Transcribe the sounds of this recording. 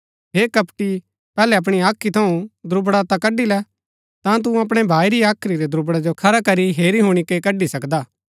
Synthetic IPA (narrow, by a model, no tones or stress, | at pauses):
ɦeːkɐpʈi | pɛːlɛɐp̬ɽ̃iaːkʰːit̪ʰɐũd̪ɾʊbɽat̪ɐkɐɖilɛ | t̪ãt̪̬ũɐp̬ɽ̃ɛbʱaːiɾiaːkʰɾiɾɛd̪ɾʊbɽad͡ʒokʰɐɾakɐɾiɦeːɾiɦuɽ̃ikekɐɖisɐkd̪aː